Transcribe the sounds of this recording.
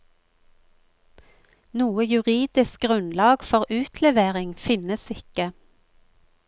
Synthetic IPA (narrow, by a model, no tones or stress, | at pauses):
nuːəjʉʁiːd̪ɪsk̚ɡʁʉnlɑːɡfɔʁʔʉːt̪ʰlɛʋeːʁɪŋfɪnəsɪkə